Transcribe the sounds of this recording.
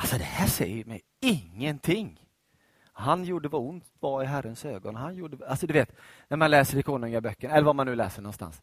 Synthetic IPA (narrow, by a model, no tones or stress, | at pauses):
alsɔd̪ɛhæːʂɛ̰jːəɾmɛ̰j | ɪŋːənt̪ʰɪŋː | hanjuːɖəvaʊnt̪vɑɪɦæɾːənsøːɡɔnɦanjuːɖəalsɔd̪ɵveːt̪næɾmanlɛːsəɾɪkʰoːnɵŋabœkːəɳɛlːəɾvamanːʉ̟ːlɛ̰ːsəɳɔnst̪a̰ns